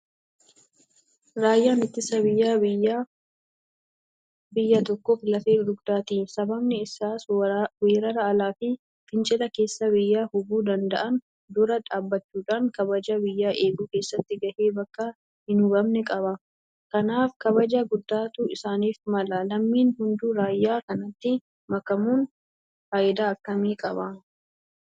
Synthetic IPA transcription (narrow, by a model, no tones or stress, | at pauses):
ɾaːjːaːnɪt̪ːɪsɐbɪjːaːbɪjːaː | bɪjːat̪ɔkːoːflɐfeːd̪ʊɡd̪̥aːt̪iːsɐbɐbnɛɪsaːsweːɾɐɾɐɐlaːfɪ | fɪnt͡ʃʼɪlɐke̞ːsːɐbɪjːaːhʊbuːd̪ɐnd̪ɐʔɐn | d̪ʊɾɐᶑaːbːɐt͡ʃːuːᶑaːŋkɐbɐd͡ʒɐbɪjːaːʔe̞ːɡuːke̞ːsːɐt̪ːɪɡɐʔeːbɐkːɐ | hɪnʊbɐmnɛkʼɐbɐ | kɐnaːfkɐbɐd͡ʒaɡʊd̪ːaːt̪uːɪsaːniːfmɐlɐlɐmːiːnhʊnd̪uːɾaːjːaːkɐnɐt̪ːɪ | mɐkːɐmuːn | faːʔɪd̪aːɐkːɐmiːkʼɐbɐ